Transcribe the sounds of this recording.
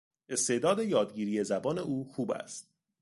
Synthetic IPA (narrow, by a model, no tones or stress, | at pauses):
e̞st̪e̞ːʔd̪ɒːd̪e̞jɒːd̪ɟiːɾiːje̞zæbɒːne̞ʔuːxuːbæ̰st̪̚